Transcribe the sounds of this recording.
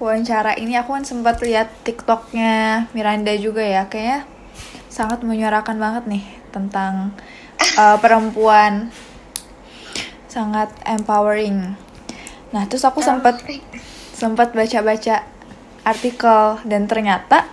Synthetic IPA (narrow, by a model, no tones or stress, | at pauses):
kuaɲt͡ʃaɾaʔiniakukansəmpət̪liat̪ːikt̪ɔk̚ɲamiɾandad͡ʒuɡajakaja | saŋat̪̚məɲuaɾakanbaŋət̪̚nɪh | t̪ənt̪aŋ | əpəɾəmpuan | saŋat̪ɛmpawəɾɪŋ | naht̪ɾʊsakusəmpət̪̚ | səmpət̪̚bat͡ʃabat͡ʃaː | rt̪ikəldant̪ərɲat̪a